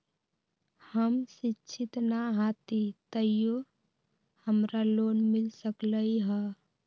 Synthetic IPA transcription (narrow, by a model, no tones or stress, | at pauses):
həmsɪtːʃʰɪt̪naɦat̪it̪əjo | həmɾaloːnmɪlsəkləiɦɛ